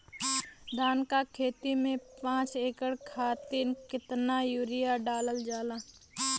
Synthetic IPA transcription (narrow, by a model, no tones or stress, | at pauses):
d̪ʱaːnkakʰeːt̪imẽpãːt͡ʃeːkəɽkʰaːt̪inkɪt̪najuːɾɪjaɖaːləld͡ʒaːlaː